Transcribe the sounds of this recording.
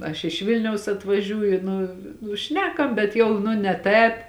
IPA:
ɐʃ ɪʃ ˈʋʲɪlʲnʲɛʊs ɐtʋɐˈʒʲuːjʊ ˈnʊ nʊ ˈʃʲnʲæːkɐm bʲɛt ˈjɛʊ nʊ nʲɛ ˈtʲɛːp

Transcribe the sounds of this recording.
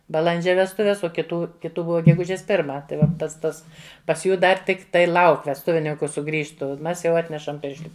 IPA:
bɐˈlˠɐnʲd͡ʒʲɛ ʋʲɛsˈtʊʋʲɛs oː kʲɪˈtuː kʲɪˈtuː ˈbʊʋɐ ɡʲɛˈɡʊʒʲeːs ˈpʲɪrmɐ tɐɪ ˈʋɐ ˈpɐts ˈtɐs pɐs ˈjuː ˈdɐr ˈtʲɪkˈtɐɪ ˈlˠɐʊk ʋʲɛsˈtʊʋʲɪnʲɪŋkʊ sʊˈɡrʲiːʃtʊ ˈmʲɛs jɛʊ ˈɑːtʲnʲɛʃɐm ˈpʲɪrʲʃʲlʲɪ

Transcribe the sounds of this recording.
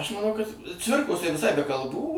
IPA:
ɐʃ mɐˈnɐʊ kɐt ˈt͡sʲʋʲɪrkoːs tɐɪ ʋʲɪˈsɐɪ bʲɛ kɐlˠˈbuː

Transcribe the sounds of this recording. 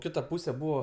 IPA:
ˈkʲɪtɐ ˈpuːsʲeː ˈbuːʋoː

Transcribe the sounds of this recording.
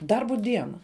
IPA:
ˈdɐrbʊ ˈdʲiɛnɐ

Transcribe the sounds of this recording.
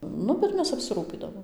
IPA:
ˈnʊ bʲɛt ˈmʲɛs ɐpʲsʲɪˈruːpʲiːdɐʋoːm

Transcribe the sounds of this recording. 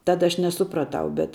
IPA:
ˈtɑːdɐ ɐʃ nʲɛˈsʊprɐˌtɐʊ bʲɛt

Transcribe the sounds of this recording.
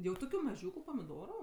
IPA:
jɛʊ ˈtoːkʲʊ mɐˈʒʲuːkʊ pɐmʲɪˈdoːrʊ

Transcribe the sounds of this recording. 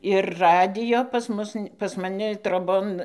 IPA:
ɪr ˈrɑːdʲɪjoː pɐs ˈmʊs pɐs mɐˈnʲɪ troːˈboːn

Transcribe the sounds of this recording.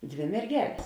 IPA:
ˈdʲʋʲeː mʲɛrʲˈɡʲæːlʲeːs

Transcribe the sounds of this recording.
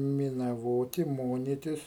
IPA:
mʲɪnɐˈʋoːtʲɪ ˈmoːnʲɪtʲɪs

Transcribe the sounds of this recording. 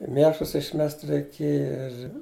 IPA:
ɪ ˈmʲeːʃlˠʊs ɪʃʲˈmʲɛst rʲɛɪˈkʲeːjɛ ɪr

